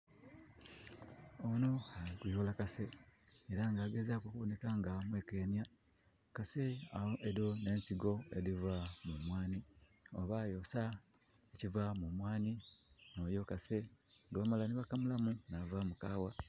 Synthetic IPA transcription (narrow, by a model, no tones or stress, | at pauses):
ono̞haikiholakase̞eɾaŋɡaːɡe̞zakokuβo̞ne̞kaŋɡamwe̞ːkeːnja | kase̞aeɾone̞ːnsiɡo̞ḛɾivamumwaːni | oβajo̞sa | ecivamumwaːnino̞ːjo̞kase̞ŋɡaβamalaniβakamulamunavamukaːwa